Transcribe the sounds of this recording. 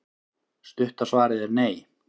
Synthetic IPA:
st̪ʏht̪asvaːɾɪðɛɾneːj

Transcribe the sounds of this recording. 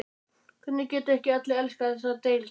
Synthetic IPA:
kʰʏnːʏcɛːt̪aɛhcɪœt̪lɪɛlskaθɛsat̪eːjl

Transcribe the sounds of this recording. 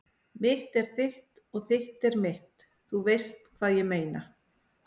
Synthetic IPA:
mɪht̪ɛɾ̥θɪht̪ | ɔɣθɪht̪ɛɾmɪht̪ | θuvejst̪kʰvaːðjɛmeːjna

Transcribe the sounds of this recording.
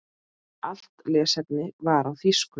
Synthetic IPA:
al̥t̪lɛːsɛp̚nɪvaɾawθiskʏ

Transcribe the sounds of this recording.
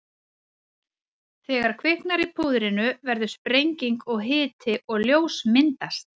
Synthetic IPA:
θɛːɣaɾ̥kʰvɪhknaɾipʰuːðɾɪnʏvɛɾðʏspɾejɲciŋkɔɣɦɪːt̪ʰɪʔɔɣljoːwsmɪnt̪ast̪̚

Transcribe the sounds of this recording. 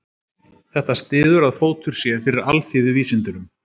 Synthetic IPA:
θɛht̪ast̪ɪːðʏɾaðfoːwt̪ʏɾ̥sjɛ̥fɪɾɪɾalθjɪvɪðviːsɪnt̪ʏnʏm

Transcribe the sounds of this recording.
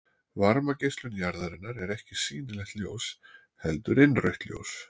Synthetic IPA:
vaɾmacejst̪lʏnjaɾðaɾɪnːaɾɛɾɛhcɪsiːnɪlɛxt̪ljows | hɛlt̪ʏɾɪnrœɥht̪ljo̰ws

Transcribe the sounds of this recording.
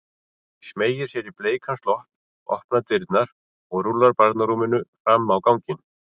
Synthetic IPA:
smeːjɪɾ̥sjɛɾipleːjkʰast̪lɔhpn | ɔ̰hpnat̪ɪɾt̪naɾ̥ | ɔɣɾulːaɾpaɾt̪naɾumɪnʏfɾamːawkawŋcɪn

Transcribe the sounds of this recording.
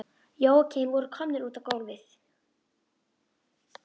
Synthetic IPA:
joːwcʰejmvɔɾʏɾkʰɔmnɪɾuːt̪av̥kowlvɪθ

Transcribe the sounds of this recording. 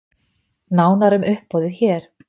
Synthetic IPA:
naːwnaɾʏmʏhpːɔːwðɪçɛːɾ̥

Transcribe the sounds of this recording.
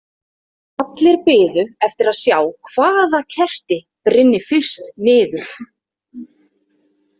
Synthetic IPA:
at̪lɪɾpɪːðʏɛft̪ɪɾaðsjaːwkʰvaːðacʰɛr̥t̪ɪ | pɾɪnːɪfɪr̥st̪nɪːðʏɾ̥

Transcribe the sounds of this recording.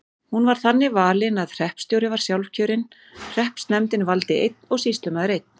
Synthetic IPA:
hunvaɾ̥θanːɪvaːlɪnaðr̥ɛhpst̪jowɾɪvaɾ̥sjawlfcʰœːɾɪn | r̥ɛhpst̪nɛmt̪ɪnvalt̪ɪejt̪̚nɔɣsist̪lʏmaðʏɾejt̪̚n̥

